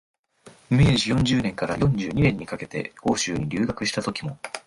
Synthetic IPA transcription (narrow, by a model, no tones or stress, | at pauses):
me̞ːʑijõ̞ɲ̟d͡ʑɨːnẽ̞ŋkaɾa̰jõ̞ɲ̟d͡ʑɨːɲ̟inẽ̞ɲ̟ːikake̞t̪e̞̰o̞ːɕɨːɲ̟iɾʲɨːɡakɯ̟ɕi̥t̪at̪o̞kʲimo̞